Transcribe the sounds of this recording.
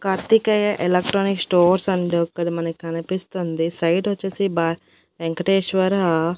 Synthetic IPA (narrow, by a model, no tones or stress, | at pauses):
kɐɾt̪ikɐjɐʔelɐk̚ʈɾoːniksʈoːɾsɐnɖokːɐɽimɐnɐkːɐnipist̪und̪isɐjʈʋɐt͡ʃːeːsiba | beŋkɐʈeːʃʋɐɾɐ